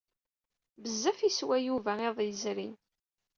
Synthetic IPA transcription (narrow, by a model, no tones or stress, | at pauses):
bəzːæfiswæjuvæeðˤjəzɾin